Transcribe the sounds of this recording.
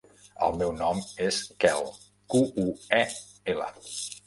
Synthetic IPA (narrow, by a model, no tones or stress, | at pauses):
ə̰lˠmɛwnɔmeskɛlˠ | kuuɛ | elə̰